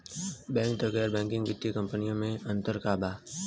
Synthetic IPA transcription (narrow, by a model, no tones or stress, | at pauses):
bɛ̃ːŋk̚d̪əɡɛːɾbɛ̃ːŋkɪ̃ŋɡʋɪt̪ːjikə̃mpənijõmẽɐ̃nt̪əɾkaːbaː